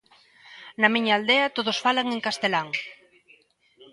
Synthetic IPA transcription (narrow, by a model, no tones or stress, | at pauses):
nɐmiɲaːld̪eɐt̪oðosfalaŋeŋkast̪elaŋ